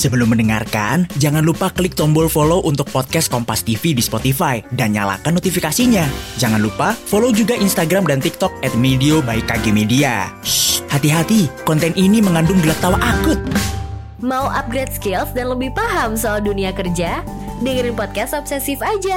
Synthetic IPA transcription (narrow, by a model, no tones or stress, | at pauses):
səbəlʊmːəndəŋa̰rka̰nd͡ʒaŋanlupakəlɪk̚t̪ɔmbɔlfoloʔunt̪ʊk̚pɔt̪̚kɛs̚kɔmpast̪ifidispɔt̪ifaidanɲa̰la̰kanːot̪ifikasiɲad͡ʒaŋanlupafolod͡ʒuɡaʔinst̪aɡɾamdant̪ik̚t̪ɔk̚ɛt̪̚mediobaɪkːaɡemedia̰ | hat̪iɦat̪ikɔnt̪ɛniniməŋandʊŋɡəlak̚t̪awaʔakʊt̪̚ | mauʔap̚ɡɾɛt̪̚skɪlsdanləbɪhpaɦamsɔalduniakərd͡ʒa | dəŋəɾɪnpɔt̪̚kɛst̪ɔp̚sɛsɪfad͡ʒa